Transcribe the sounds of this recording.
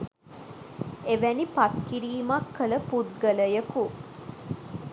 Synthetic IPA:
eʋænipat̪̚kiɾiːmakːələpud̪̚ɡələjəku

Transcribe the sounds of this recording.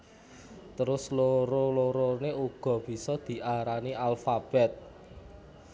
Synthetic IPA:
t̪əɾʊsloɾoloɾoneuɡ̥ɔ̤b̥i̤sɔd̪̥i̤ʔaɾaniʔalfab̥ɛt̪̚

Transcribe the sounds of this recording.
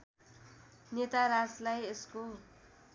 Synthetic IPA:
net̪aɾaslajesko

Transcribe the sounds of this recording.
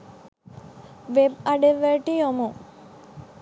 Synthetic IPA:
ʋebaɖeʋːeʈijomu

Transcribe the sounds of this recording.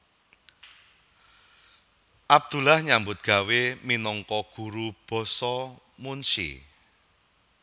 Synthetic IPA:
ʔab̚d̪̥ṳlahɲambʊt̪̚ɡ̥a̤weminɔŋkɔɡ̥ṳɾub̥ɔ̤sɔ | munsḭ

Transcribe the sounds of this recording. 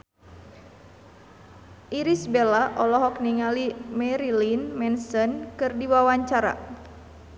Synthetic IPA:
ʔiɾisbelaʔɔlɔɦɔk̚niŋalimɛɾilinmɛnsənkɨrdiwawaɲt͡ʃaɾa̰

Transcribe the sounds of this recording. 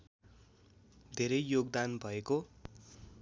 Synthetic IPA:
d̪ʱeɾʌjjoɡd̪anbʱʌeko

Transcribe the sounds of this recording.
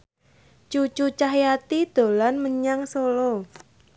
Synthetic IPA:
t͡ʃut͡ʃut͡ʃaɦjat̪id̪̥o̤lanməɲaŋsolɔ

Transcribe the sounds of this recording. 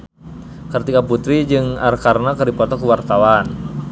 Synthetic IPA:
kɨrt̪ikaput̪ɾid͡ʒɨŋarkarnakərdipɔt̪ɔkuwart̪awan

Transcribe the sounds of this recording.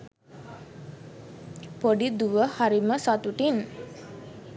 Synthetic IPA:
poɖid̪uwəhaɾiməsat̪uʈin

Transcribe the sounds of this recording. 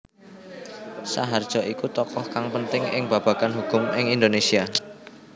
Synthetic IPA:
sa̰ɦard̥ʒ̥ɔ̤ʔikut̪ɔkɔhkaŋpənt̪ɪŋɪŋb̥a̤b̥ä̤kanɦukʊmɪŋind̪onesia

